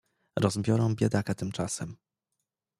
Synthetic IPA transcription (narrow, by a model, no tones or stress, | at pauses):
ɾɔzbʲjɔɾɔ̃w̃bʲjɛd̪akat̪ɘmt͡ʂasɛm